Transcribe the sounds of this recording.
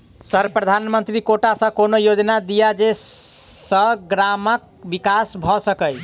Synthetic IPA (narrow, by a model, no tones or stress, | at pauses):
səɾpɾəd̪ʱanmənt̪ɾikoʈasə̃konojod͡ʒnad̪ijad͡ʒe | səɡɾamək̚bikasbʱɔsəkəj